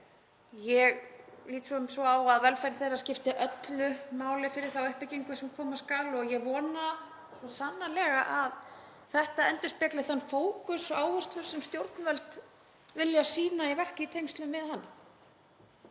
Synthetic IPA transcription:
jɛɣliːt̪sɔʏmsvɔaːwaðvɛlfajɾθejrːascɪft̪ɪʔœt̪lʏmaːwlɪfɪɾɪɾ̥θawʏhpɪciŋkʏsɛmkʰɔːmaskaːlɔɣjɛɣvɔːna | sɔsanːalɛːɣaʔað | θɛht̪aɛnt̪ʏspɛt̪lɪθanːfoːwkʏsɔaːwhʏst̪lʏɾ̥sɛmst̪jowɾt̪nvœlt̪ | vɪljasiːnaivɛhcɪt̪ʰejmst̪lʏmvɪðhanːɪm

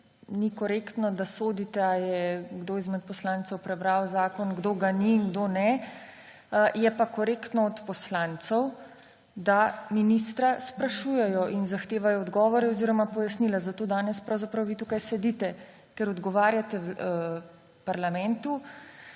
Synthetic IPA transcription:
nikɔɾeːkt̪nɔd̪asoːd̪it̪ɛajɛɡd̪oːizmɛt̪̚pɔslant̪sɔwpɾɛbɾawzaːkɔnɡd̪oːɡaniːŋɡd̪oːnɛ | jɛpakɔɾeːkt̪nɔɔt̪pɔslant̪sɔw | d̪aminist̪ɾaspɾaʃuːjɛjɔʔinzaxt̪eːʋajɔːd̪ɡɔːʋɔɾɛɔziːɾɔmapɔjasnilazat̪oːd̪aːnɛspɾawzapɾawʋit̪ukajsɛd̪iːt̪ɛ | kɛɾɔd̪ɡɔʋaːɾjat̪ɛw | paɾlamɛnt̪u

